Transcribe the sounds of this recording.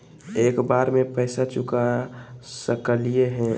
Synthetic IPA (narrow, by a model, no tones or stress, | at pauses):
eːkbaːɾmẽpəɪsat͡ʃʊkasəkəlijeɦɛ̃